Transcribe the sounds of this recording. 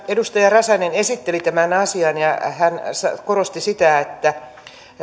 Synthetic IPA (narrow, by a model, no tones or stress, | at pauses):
edust̪ɑjɑrɑsɑnenesit̪ːelit̪æmænɑsiɑnjɑhænsɑkoɾost̪isit̪æet̪ːæ